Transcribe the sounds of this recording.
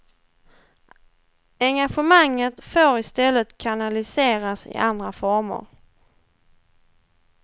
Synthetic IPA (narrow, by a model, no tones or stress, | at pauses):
ɛŋɡaɧəmaŋːət̪foːɾɪst̪ɛlːət̪kʰanalɪseːɾasɪ̰ʔand̪ɾafɔɾmʊ̰ɾ